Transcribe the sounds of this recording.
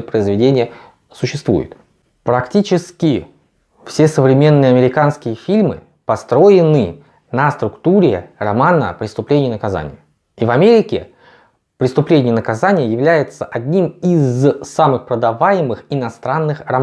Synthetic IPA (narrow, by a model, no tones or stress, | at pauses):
əpɾəɪzvʲɪdʲenʲɪjə | sʊɕːɪst̪vṵjʊ̰t̪ | pɾɐktʲit͡ɕɪskʲɪ | fsʲe̞səvɾʲɪmʲe̞nːɨjəɐmʲɪɾʲɪkanskʲɪjəfʲilʲmɨ̰ | pɐst̪ɾo̞jɪnɨ | nəst̪ɾʊkt̪uɾʲɪrɐmanə̰pɾʲɪst̪ʊplʲenʲɪjənəkaza̰nʲɪ̰jə | ivɐmʲeɾʲɪkʲɪ | pɾʲɪst̪ʊplʲenʲɪjənəkɐzanʲɪjəjɪvlʲæjɪt̪səʔɐdʲnʲimizsamɨxpɾəd̪ɐvajɪmɨxɪnɐst̪ɾanːɨxrɐ